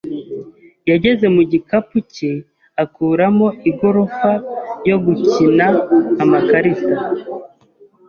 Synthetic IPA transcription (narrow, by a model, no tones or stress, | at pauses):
jaɟe̞ze̞muɟikapuce | akuːɾamo̞ʔiɡo̞ɾofajo̞ɡucinaːmakaɾisa